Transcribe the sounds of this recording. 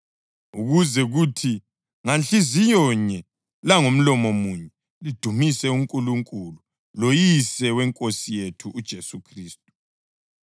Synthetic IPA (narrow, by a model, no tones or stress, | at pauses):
uɣuzɛɣutʰi | ŋanɬizijɔɲɛ | laŋom̩lɔmomuɲɛ | lid̥ʱumisɛuŋkʼuluŋkʼulu | lojisɛwɛŋkʼosijetʰuʔːd̥ʒ̥ʱesukʰriːstʼu̥